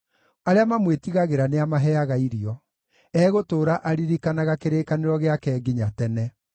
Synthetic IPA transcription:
aɾeamamwetiɣaɣeɾaneamaɦɛaɣaiɾiɔ | ɛːɣotoːɾaʔaɾiɾikanaɣakeɾeːkaneɾɔɣeakɛɡiɲatɛnɛ

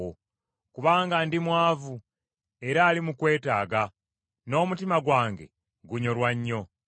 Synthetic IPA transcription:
o | kuβaːŋɡandimwaːvu | e̞ɾaːlimukwe̞ːtaːɡa | no̞ːmutimaɡwaːŋɡe̞̰ | ɡuɲo̞lwaɲːo̞

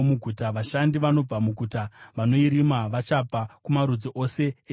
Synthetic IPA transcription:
muɡʱutaʋaʃandiʋano̞b͡vamuɡʱutaʋano̞iɾimaʋat͡ʃab͡vʱakumaɾud͡zoʔo̞se̞e

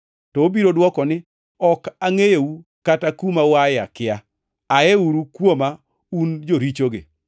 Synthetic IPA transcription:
tɔobiɾodwɔkɔnɪ | ɔkaŋejeukatakumawajakɪa | aeuɾukwoma | und͡ʒoɾit͡ʃoɡɪ̰

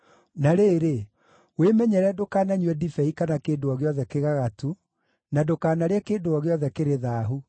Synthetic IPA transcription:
naɾeːɾe | wemɛɲɛɾɛdokaːnaɲwɛdifɛikanakeːndoɔɣeɔðɛkeɣaɣatu | nadokaːnaɾeɛkeːdoɔɣeɔðɛkeɾeðaːɦu

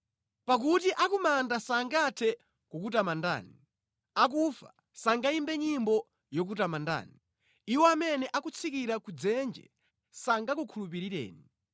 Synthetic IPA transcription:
pak̬utiʔakumandasaŋɡatʰɛ | kukutamanda̰ːni | ak̬ufa̰ | saŋɡaimbɛɲimbɔ | jɔk̬utamanda̰ːni | iwɔamɛnɛʔakut͡sʰikiɾakud͡zɛnd͡ʒɛ̰ | saŋɡakukʰulup̬iɾiɾɛ̰ːni

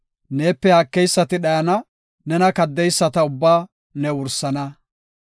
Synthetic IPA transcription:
neːpːɛhɐkːɛjsːɐt̪ɪɗɐjɐnɐ | nɛnɐkɐd̪ːɛjsːɐt̪ɐʊbːaː | nɛwʊɾsːɐnɐ

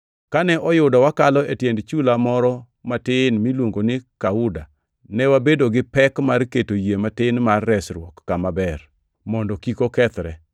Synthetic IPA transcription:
kanɛʔɔjʊdɔwakalɔetjendt͡ʃulamɔɾɔ | matɪnmilwoŋɡonɪkaʊda | nɛwabedoɡɪpɛkmarketojematɪnmarːɛsɾwɔkːamabɛr | mɔndɔkikokɛt̪ɾɛ

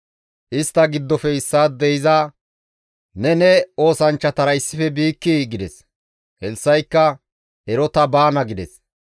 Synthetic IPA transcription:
ʔɪst̪ːɐɡɪd̪ːɔfɛɪsːaːd̪ɛjɪzaː | nɛnɛo̞ːsɐnt͡ʃːɐt̪ɐɾɐjsːɪfɛbiːkːiɡɪd̪ɛs | hɛlsːɐjkːɐ | ʔɛɾɔt̪ɐbaːnɐɡɪd̪ɛs

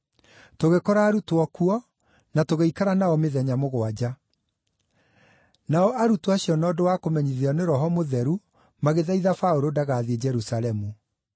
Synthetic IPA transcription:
toɣekɔɾaːɾutoɔkuɔ | natoɣeikaɾanaɔmeðɛɲamoɣwad͡ʑa | naɔʔaɾutoaɕiɔnɔːdowaːkomɛɲiðeɔneɾɔɦɔmoðɛɾu | maɣeðaiðafaoɾodaɣaːðied͡ʑɛɾusalɛmu

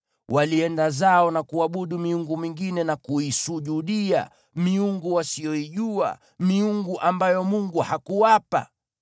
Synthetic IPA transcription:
wʔaliɛndazaɔnakuaɓuɗumiuŋɡumiŋɡinɛnakuisuʄuɗia̰ | miuŋɡuwasijɔiʄua̰ | miuŋɡuʔambajɔmuŋɡuhakuwapa̰

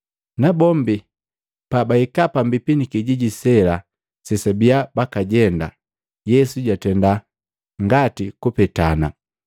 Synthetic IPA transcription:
nabɔmbi | pabaikapambipinikiɟiɟisɛla | sɛsabijabakaɟɛnda | jɛsuɟatɛnda | ŋɡatikupɛtana

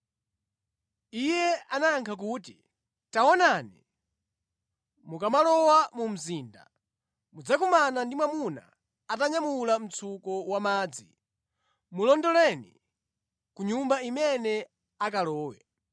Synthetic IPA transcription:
ijɛanaŋkʰak̬uːti | tawɔnanḭ | mukamalɔwamum̩ziːnda̰ | mud͡zakumanandimwamuna̰ | ataɲamulam̩t͡sʰukɔwamaːd͡zi | mulɔndɔlɛnḭ | kuɲumbaimɛnɛ | ak̬alɔːwɛ̰

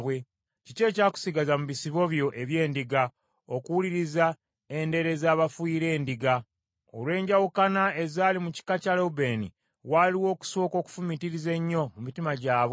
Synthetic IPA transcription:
βwe̞ | cice̞ːcaːku̥siɡazamuβisiβo̞βjo̞ʔe̞βje̞ːndiɡa | okuwuliɾiza | e̞nde̞ɾe̞zaːβafwiːɾe̞ːndiɡa | o̰lwe̞ːɲɟawukanae̞zaːlimuci̥kacalobe̞nḭ | waliwo̞ːku̥so̞ːko̞ːku̥fumitiɾize̞ɲːo̞mumitimaɟaːβe

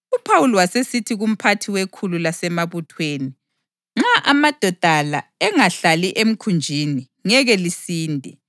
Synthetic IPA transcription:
upʰawuliwasesitʰiɣum̩pʰatʰiwekʰululasɛmaβutʰweːni | ŋ͡ǁaʔamad̥ʱɔd̥ʱalaɛŋaɬaliʔem̩kʰund͡ʒʱini | ŋɛɣɛlisiːndʱɛ

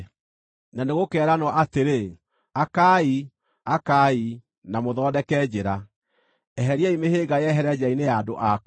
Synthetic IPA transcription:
naneɣokɛːɾanwɔʔateɾe | akai | akaːi | namoðɔːdɛkɛd͡ʑeɾa | ɛɦɛɾiaimeheːɡajɛɦɛɾɛd͡ʑainejadoʔa

